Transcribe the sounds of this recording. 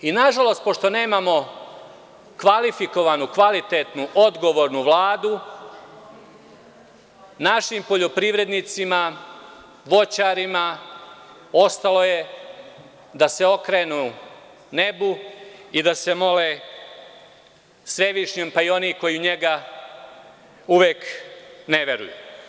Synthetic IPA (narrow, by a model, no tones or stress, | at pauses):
inaʒalo̞st̪̚po̞ʃt̪one̞ːmamo̞ | kʋalifiko̞ʋanukʋalit̪et̪nuʔo̞d̪ɡo̞ʋo̞ːɾnuʋlˠaːd̪u | naʃimpo̞ʎo̞pɾiʋɾe̞d̪nit̪sima | ʋo̞t͡ɕaɾima | o̞st̪alo̞je̞ | d̪ase̞o̞kɾeːnu | ne̞buid̪ase̞mo̞le | sʋe̞ʋiʃɲeːmpaio̞niko̞jiuɲe̞ɡa | uʋeːkne̞ʋe̞ɾṵjṵ